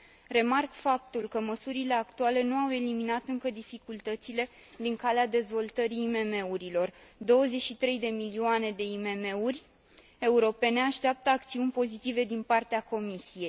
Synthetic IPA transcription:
re̞markfap̚t̪ulkəməsuɾile̞akt̪uale̞nuawe̞liminat̪ɨŋkəd̪ifikult̪ət̪sile̞ | d̪iŋkalead̪e̞zvo̞lt̪əɾiːme̞me̞uɾilo̞rd̪o̞wəze̞ʃit̪ɾe̞jd̪e̞milioane̞d̪e̞ime̞me̞urʲ | e̞uɾo̞pe̞ne̞aʃt̪eap̚t̪əakt̪siunʲpo̞zit̪ive̞d̪inpart̪eako̞misije̞j

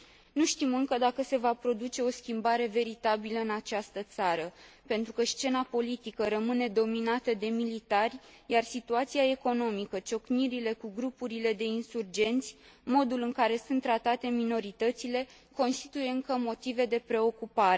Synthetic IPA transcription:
nuʃt̪imɨŋkəd̪akəse̞vapɾo̞d̪ut͡ʃe̞o̞skʲimbaɾe̞ve̞ɾit̪abiləɨnat͡ʃast̪ət̪saɾəpe̞nt̪ɾukəʃt͡ʃe̞napo̞lit̪ikəɾəmɨne̞d̪o̞minat̪əd̪e̞milit̪arʲjarsit̪uat̪siae̞ko̞no̞mikət͡ʃo̞kniɾile̞kuɡɾupuɾile̞d̪e̞insurd͡ʒe̞nt̪sʲ | mo̞d̪ulɨŋkaɾe̞sunt̪ːɾat̪at̪e̞mino̞ɾit̪ət̪sile̞ | ko̞nst̪it̪uje̞ɨŋkəmo̞t̪ive̞d̪e̞pɾe̞o̞kupaɾe

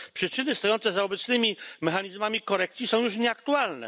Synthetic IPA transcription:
pʂɘt͡ʂɘnɘst̪ɔjɔnt̪sɛzaɔbɛt̪snɘmʲimɛxaɲizmamʲikɔɾɛkt̪sʲjisɔ̃w̃juʂ̬ɲɛak̚t̪ualnɛ̰

